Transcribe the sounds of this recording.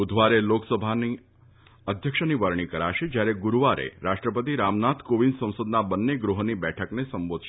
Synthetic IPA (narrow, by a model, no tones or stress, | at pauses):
ʊd̪ʱʋaɾeloksəbʱani | əd̪ʱjəkʃəniʋəɾɳ̃ikəɾa̰ʃed͡ʒjaɾeɡuɾuʋaɾʔḛɾaʃʈɾəpət̪iɾamnat̪ʰkoʋinsə̃w̃səd̪nabənːeɡɾuɦnibɛʈʰəknesəmbod̪ʃe